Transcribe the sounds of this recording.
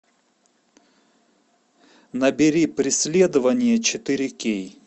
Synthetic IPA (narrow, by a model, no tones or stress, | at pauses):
nɐbʲɪɾʲipɾʲɪsʲlʲed̪əvɐnʲɪjət͡ɕɪt̪ɨɾʲɪkʲej